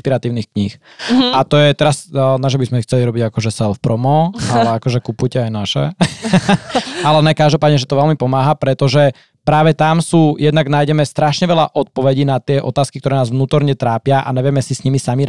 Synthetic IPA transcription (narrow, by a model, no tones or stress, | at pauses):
piɾat̪iːʊnixkɲiːx | at̪ɔjɛt̪ɛɾasnaʒɛbizmɛsixt͡sɛliɾɔbiɟakɔʒɛsɛlfpɾɔmɔalɛakɔʒɛkupujcɛajnaʃɛ̰ | alɛnɛkaʒd̪ɔpaːd̪ɲɛʒɛt̪ɔʋɛlmipɔmaːɦapɾɛt̪ɔʒɛ | pɾaːʋɛt̪amsuːjɛd̪naɡnaːjɟɛmɛst̪ɾaʃɲɛʋɛʎaʔɔt̪̚pɔʋɛɟinat̪ɪɛʔɔt̪aːskikt̪ɔɾɛːnaːzʋnuːt̪ɔɾɲɛt̪ɾaːpɪaʔa̰ɲɛʋɛmɛsisɲimisami